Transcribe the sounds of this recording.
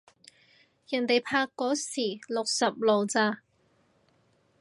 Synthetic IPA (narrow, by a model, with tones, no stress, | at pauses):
jɐ˨˩nt̪e˨jpʰaː˧kːɔː˨˥siː˨˩lʊ˨k̚sɐ˨p̚lo˨wt͡saː˧